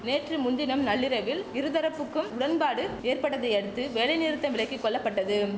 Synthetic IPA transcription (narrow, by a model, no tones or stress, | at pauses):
neːʈrɯmʊnd̪ɪnɐmnɐɭːɪɾɐʋɪlɪɾɯðɐɾɐpːɯkːɯmʊɽɐnpaːɽɯeːrpɐɽːɐðɐɪɐɽɯt̪ːɯʋeːlɐɪniːɾɯt̪ːɐmʋɪɭɐɪkːɯkːɔɭːɐpːɐʈːɐðɯ